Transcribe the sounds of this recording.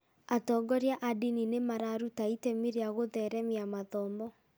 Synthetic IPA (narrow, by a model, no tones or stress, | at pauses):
atɔːɡɔɾjaʔadininemaɾaɾutaitɛmiɾeaɣoðɛɾɛmiamaðɔmɔ